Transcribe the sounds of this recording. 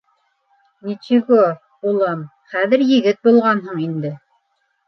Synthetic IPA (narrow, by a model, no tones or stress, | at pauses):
nit͡ʃiɡo | bulˠɑm | χæðɘ̆ɾjɘ̆ɡɘt̪̚bulˠʁɑnɦɤɴind̪ɘ